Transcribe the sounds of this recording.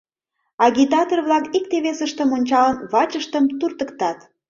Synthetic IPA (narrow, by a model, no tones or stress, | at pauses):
ɑɣʲit̪ɑt̪orβlɑkik̚t̪eβesəʃt̪əmonʲt͡ɕɑlənβɑt͡ɕəʃt̪əmt̪urt̪əkt̪ɑt̪